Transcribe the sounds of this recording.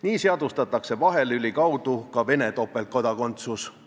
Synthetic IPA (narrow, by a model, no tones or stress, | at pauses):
niːseɑd̪ust̪ɑt̪ːˑɑkse̞vɑɦe̞lylʲikɑwd̪̥ukɑve̞ne̞t̪o̞pːˑe̞l̚ko̞d̪ɑko̞nt̪sus